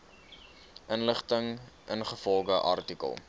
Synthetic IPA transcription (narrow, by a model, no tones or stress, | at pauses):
ʔənləχtəŋ | ʔənχəfɔlˠɡəʔɐ̰rtikə̰lˠ